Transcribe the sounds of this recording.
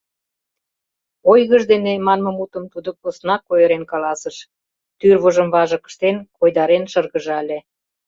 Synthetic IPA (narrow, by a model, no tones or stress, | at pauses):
ojɣəʒd̪enemɑnmɤ̆mut̪əmt̪ud̪okposnɑkːojəɾenkɑlɑsəʃ | t̪yrβəʒəmβɑʒə̆kə̥ʃt̪enkojd̪ɑɾenʃɤrɣəʒælʲe